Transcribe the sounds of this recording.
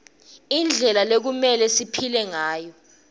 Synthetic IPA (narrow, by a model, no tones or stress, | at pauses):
ind͡ɮʱɛlalek̬umɛlɛsipʰilɛŋaːjɔ